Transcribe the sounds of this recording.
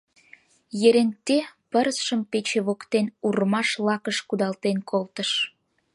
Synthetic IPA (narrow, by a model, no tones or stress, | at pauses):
jeɾeŋt̪epəɾəsʃəmpet͡ɕeβokt̪enurmɑʃlɑkəʃkud̪ɑlt̪enkʰolt̪əʃ